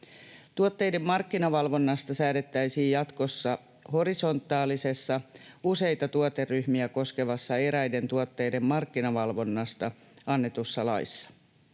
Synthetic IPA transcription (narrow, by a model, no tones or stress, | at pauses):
t̪uot̪ːe̞jde̞mːɑrkːinɑʋɑlʋo̞nːɑst̪ɑsæːdet̪ːæjsiːjjɑt̪ko̞sːɑ | ho̞ɾiso̞nt̪ːˑɑːlise̞sːɑuse̞jt̪ɑt̪uot̪erːyhmiæko̞ske̞ʋɑsːɑe̞ɾæjde̞nt̪uot̪ːe̞jde̞mmɑrkːinɑʋɑlʋo̞nːɑst̪ɑ | ɑnːe̞t̪usːɑlɑ̰isːɑ̥